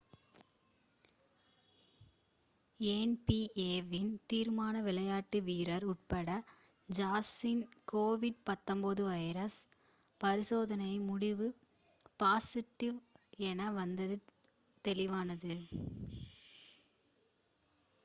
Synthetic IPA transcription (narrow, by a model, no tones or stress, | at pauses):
enpiʔeːʋɪnt̪iːɾmaːnɐʋɪlɐjaːʈːɯʋiːɾɐɾʊʈ̚pɐɽɐ | d͡ʒaːsɪnkoːʋɪɖ̚pɐt̪ːɔmbɐðɯʋɐjɾɐs | pɐɾɪsoːðɐnɐɪmʊɽɪʋɯ | paːsɪʈːɪʋɛnɐʋɐnd̪ɐðɯ | t̪ɛlɪʋaːnɐðɯ